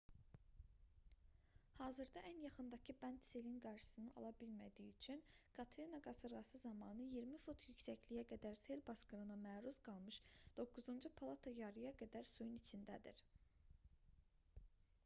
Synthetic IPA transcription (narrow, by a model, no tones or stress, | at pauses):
hɑːzɯɾd̪ɑʔænjɑχɯnd̪ɑcʰibænt̪selinɡɑɾʃɯ̥sɯnɯɑ̰lˠɑbilmæd̪ijiyt͡ʃʰynkʰɑt̪ʰɾinaɡɑsɯɾɡɑsɯzɑmɑːnɯjiɾmifut̪ʰjycsæçlijæɡæd̪æɾselbɑskɯɾɯnɑmæːɾuzɡɑlˠmɯʃd̪̥o̞kːuzund͡ʒupʰɑlˠɑt̪ʰɑjɑɾɯjɑɡæd̪æɾsujunit͡ʃʰind̪æd̪ḭɾ